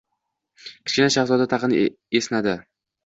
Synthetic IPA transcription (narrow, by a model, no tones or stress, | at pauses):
kʲʰɪ̥t͡ʃɪnaʃaχzɒd̪at̪ʰɑqɨn | esnad̪ɪ